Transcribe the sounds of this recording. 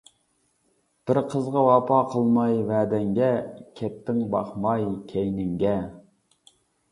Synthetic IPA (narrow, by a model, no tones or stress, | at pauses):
b̥ɪɾqʰəzʁɑwɑpʰɑːqʰəlˠmɑjvɛːd̪ɛŋɡʲɛkʲʰɛp̚t̪ʰːɪŋbɑ̰χmɑjkʲʰɛjnɪŋɡʲɛ